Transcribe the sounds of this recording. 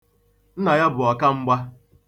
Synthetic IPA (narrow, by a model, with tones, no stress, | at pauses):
n̩˦na˨ja˦bʊ˨ɔ˨ka˦ŋ͡m̩˦ɡ͡ba˦